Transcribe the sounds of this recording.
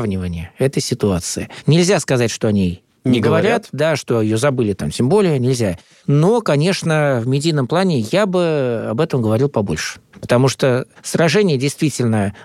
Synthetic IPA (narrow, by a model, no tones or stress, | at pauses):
vnʲɪvənʲɪjəɛt̪əjsʲɪt̪ʊat̪sɨɪnʲɪlʲzʲaskɐzatʲʂt̪o̞ɐnʲi | nʲɪɡvɐɾʲat̪d̪aʂt̪o̞ɪjozɐbɨlʲɪt̪amtʲembo̞lʲɪjənʲɪlʲzʲa | nokɐnʲe̞ʂnəvmʲɪdʲijnəmplˠanʲɪjabɨɐ̰bɛt̪əmɡəvɐɾʲilˠpɐbo̞̰lʲʂɨ̥pə̥t̪ɐmuʂt̪osɾɐʐɛnʲɪjədʲɪjst̪vʲitʲɪlʲnə